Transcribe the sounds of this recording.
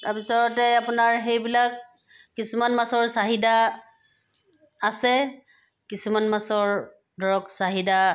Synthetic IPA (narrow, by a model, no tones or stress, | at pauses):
tabisaɹɔtɛapʊnaɹɦejbilakː | isumanmasɔɹsaɦida | sɛ | kisumanmasɔɹ | dʱɔɹɔksaɦida